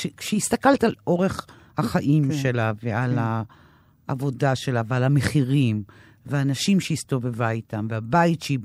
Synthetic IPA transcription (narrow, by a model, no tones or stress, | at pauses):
ʃekʃehist̪akaltalo̞ʁe̞χ | haχaʔimʃe̞laveala | ʔavo̞daʃe̞lavealameχiʁim | veanaʃimʃeist̪ovevajtamveabaitʃi